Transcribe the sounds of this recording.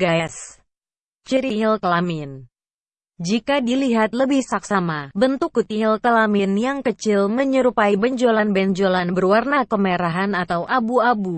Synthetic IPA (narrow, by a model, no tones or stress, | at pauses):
ɡaɛs | t͡ʃəɾiilkəlamɪn | d͡ʒikadiliɦat̪ləbɪhsaksamabənt̪ukːut̪iilkəlamɪnjaŋkət͡ʃɪlməɲəɾupaibəɲd͡ʒolanbɛnd͡ʒolanbərwarnakəmeɾaɦanat̪awʔabuabu